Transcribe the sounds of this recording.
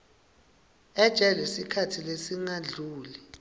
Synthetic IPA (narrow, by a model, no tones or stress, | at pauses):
ɛd̥ʒ̥ʼʱɛlwisikʰatʰilesiŋaɮʱuːli